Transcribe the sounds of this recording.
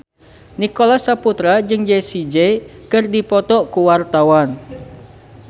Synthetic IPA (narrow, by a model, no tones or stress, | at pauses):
nikolasaput̪ɾad͡ʒɨŋd͡ʒesid͡ʒɛkɨrdipɔt̪ɔkuwart̪awan